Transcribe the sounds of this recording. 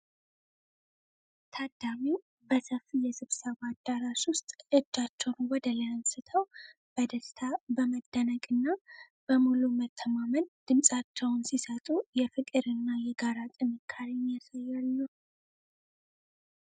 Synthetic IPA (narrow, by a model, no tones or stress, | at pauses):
t̪ʰad̪ami | bəsəfijɛsɨβsəβad̪ːaɾaʃwʊst̪ʼɨd͡ʒːat͡ʃːɛwnwɔd̪ələənsɨt̪ʰəw | b̥əd̪əst̪ʰabəməd̪̥ːənəɡʼɨnːa | b̥əmulumət̪ʰːəmamənd̪̥ɨmsʼat͡ʃːɛwnsisət̪ʼujɛfɨkʼɨɾɨnːajɛɡaɾat̪ʼɨnɨkʰːaɾinjasajːalːəw